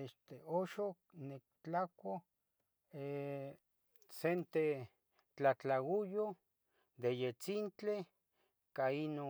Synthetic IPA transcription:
eʃt̪eoʃoknek̚t͡ɬakʷo | e | sent̪e | t͡ɬat͡ɬawujo | d̪ejet͡sint͡ɬe | kaino

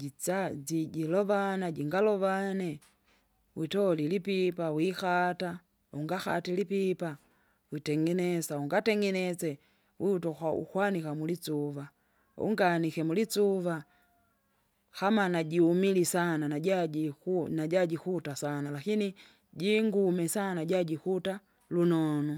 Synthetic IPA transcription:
iad͡ʒiɟilɔvanaɟiŋɡalɔvanɛ | witɔlilipipawixata | uŋɡaxa̰tilipipa | witɛŋɡɛnɛsauŋɡatɛŋɡɛnɛt͡sɛ | wiutɔxaṵkwanikamulit͡suva | ṵŋɡanikɛmulit͡suva | hamanaɟiumilisananaɟaɟikunaɟaɟikutasanalakini | ɟiŋɡumɛsanaɟaɟikuta | lunɔnɔ

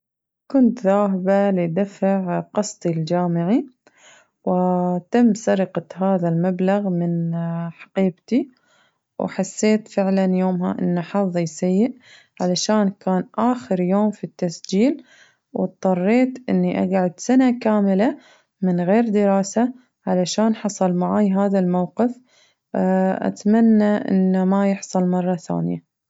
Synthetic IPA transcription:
kʊnt̪ðaːɦɪbalid̪afaʕqɑsˤt̪ˤild͡ʒaːmɪʕi | wɪt̪amːsɑɾqɑɦaːðalmablaɣmɪnħɑ̥qiːbt̪i | wħasːeːt̪fɪʕlanjoːmɦa̰ʔɪ̰nːaħɑðˤijsajːɪʔ | ʕalaʃaːnkaːnʔaːxɪɾjoːmfit̪ːasd͡ʒiːl | wt̪ˤðˤɑrˤːeːt̪ʔɪnːiʔa̰ɡʕʊd̪sanakaːmɪla | mɪnɣeːɾd̪ɪɾaːsa | ʕalaʃaːnħɑsˤɑlmaʕaːjɦaːðalmawqɪf | ʔa̰t̪manːaʔɪ̰nːamajɪħsˤɑlmɑrˤːɑθa̰ːnɪja̰

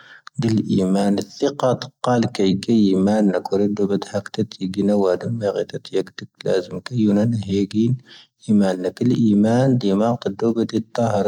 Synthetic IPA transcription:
d̪ilʔimænəθːəqɑt̪ə̥qːɑlkæjɡæjimænːəkɾid̪ubət̪hækt̪æt̪iɡinæwæd̪əmːiɣit̪æt̪jəɡd̪ək̚læ̰zəmkæjunænɦiɡinʔimænːəkəlʔimænd̪imɑʁt̪əd̪ːubæd̪it̪ˤːɑhɾˤ

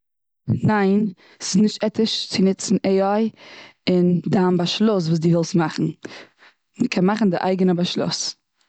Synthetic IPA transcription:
naɪn | sɪ̥snɪʃtɛtɪʃt͡sɪnɪt͡sn̩ʔeɪɔɪɪndambaʃlˠʊs̬vuːs̬dɪːvɛlˠstmaχn̩ | məkʰɛnmaχn̩dɪʔa̰ɪɡənəbaʃlˠʊ̰s

